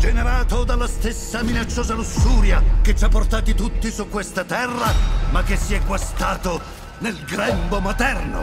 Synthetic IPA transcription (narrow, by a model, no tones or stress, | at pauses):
d͡ʒeneɾaːt̪od̪alːast̪esːaminat͡ʃːoːzalusːuːɾjaket͡ʃːapːort̪aːt̪it̪ut̪ːisukːwest̪at̪ɛrːamakːesːiɛɡwast̪aːt̪o | nelɡɾɛmbomat̪ɛrno̰